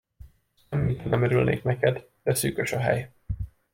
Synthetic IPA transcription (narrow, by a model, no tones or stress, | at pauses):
ɛmːit̪nɛmɛɾylnḛːknɛkɛd̪ | d̪̥ɛsyːkøʃɒɦɛ̰j